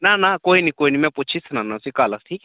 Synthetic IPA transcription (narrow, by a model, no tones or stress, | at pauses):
nanakoinikoːinimɛ̃put͡ʃʰisnanasikaːlasʈʰiːk